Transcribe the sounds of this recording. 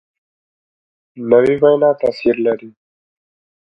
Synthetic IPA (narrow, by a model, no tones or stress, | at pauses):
nəwibajnat̪asiɾlaɾi